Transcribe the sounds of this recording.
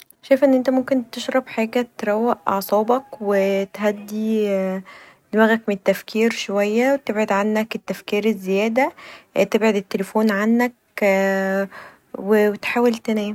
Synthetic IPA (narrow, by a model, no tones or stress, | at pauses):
ʃæjefʔenːʔent̪æmomkent̪eʃɾˤɑbħaːɡæt̪ɾˤæwːæʔʔɑ̰ʕsˤɑːbɑkwet̪ɦæd̪ːi | d̪mæːɣækmeet̪ːæfkʰiːɾʃowæjːæwet̪ebʕod̪ʕanːæket̪ːæfkiːɾezːejæːd̪æt̪ebʕed̪et̪ːelefoːnʕanːæk | wewet̪ħaːwelt̪ænæːm